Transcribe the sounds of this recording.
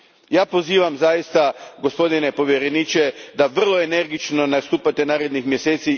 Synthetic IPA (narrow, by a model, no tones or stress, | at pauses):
jaːpo̞ziːʋamzajist̪aɡospo̞d̪ine̞po̞ʋje̞ɾe̞niːt͡ʃe̞d̪aʋr̩lˠo̞e̞ne̞ɾɡit͡ʃno̞nast̪uːpat̪e̞naːɾe̞d̪nixmje̞seːt̪si